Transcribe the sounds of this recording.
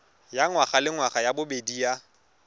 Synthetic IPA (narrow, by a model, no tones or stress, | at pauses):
jaŋwaχalɪŋwaχajabʊbedia